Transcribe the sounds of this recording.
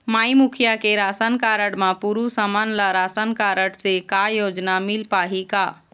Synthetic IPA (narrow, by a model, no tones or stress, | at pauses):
maːimukʰijakeɾasənkaɾəɽmãpuɾusamanlaɾasənkaɾəɽsekajoːd͡ʒnamilpaɦika